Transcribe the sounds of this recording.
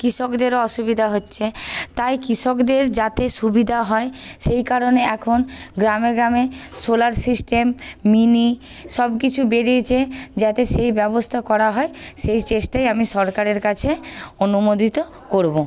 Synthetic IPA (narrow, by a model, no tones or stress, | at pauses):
kɾiʃokd̪eɾɔʃubid̪ʱaɦotːɕʰet̪ajkɾiʃokd̪eɾd͡ʑat̪eʃubid̪ʱaɦɔeʃejkaɾoneɛkʰonɡɾameɡɾamesolaɾsisʈemːini | ʃɔbkit͡ɕʰubeɾiet͡ɕʰed͡ʑat̪eʃejbɛbost̪ʰakɔɾaɦɔeʃejt͡ɕesʈajamiʃɔɾkaɾeɾkat͡ɕʰeonumod̪ʱit̪o | koɾbo